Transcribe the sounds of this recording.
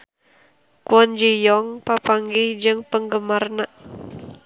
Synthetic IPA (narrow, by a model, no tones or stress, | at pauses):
kuɔnd͡ʒijɔŋpapaŋɡihd͡ʒɨŋpəŋɡəmarnaʔ